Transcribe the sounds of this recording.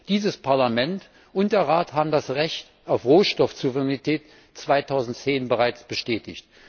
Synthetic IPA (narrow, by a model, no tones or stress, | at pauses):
d̥iːzəspʰaɐlamɛnt | ʊnt̚d̥eːɐʁaːthaːbm̩dasʁɛçt | aʊfʁoːʃtɔfzuvəʁɛnitʰɛːt | t͡sv̥aɪtʰaʊzn̩tt͡seːnbəʁaɪt͡sb̥əʃtɛːtɪ̰çt